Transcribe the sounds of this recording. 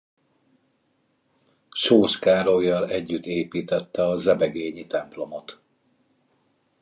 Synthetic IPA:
ʃoːʃkaːɾojːɒlɛɟːyt̪ːeːpiːt̪ɛt̪ːɛɒzɛbɛɡeːɲit̪ɛmplo̞mot̪

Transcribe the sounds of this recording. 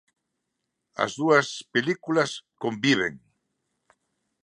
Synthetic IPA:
ɐ̰zðuɐspelikulɐskõmbiβ̞ḛŋ

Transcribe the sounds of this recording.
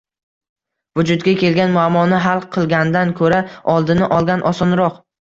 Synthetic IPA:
vʊd͡ʒʊd̪ɡʲakʲʰe̞lɡʲanmʊamːɒnɪɦalˠqʰɨlˠɡʲanɪd̪ankʰɵɾaɒlˠd̪ɪnɪʔɒlˠɡʲanʔɒsɒnɾɒq

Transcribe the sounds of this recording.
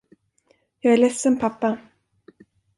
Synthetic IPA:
jɑːɡæɭɛsːənpʰapːa

